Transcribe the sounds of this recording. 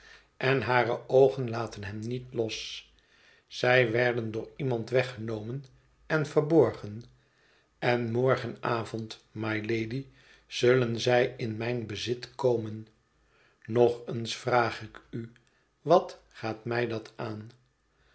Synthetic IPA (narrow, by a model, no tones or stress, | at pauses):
ʔɛnɦaːrəʔowχənlaːtənɦɛmnitlɔs | z̥ɛjʋɛɹdəndʊːɹimɑntʋɛχənowmən | ɛnvəɹbɔɹχən | ɛnmɔɹχənaːvɔntmajlejdi | z̥ɵlənzɛjɪnmɛjnbəzɪtkowmənː | ɔχənsfraːχɪky | ʋɑt | χaːtmɛjdɑtaːn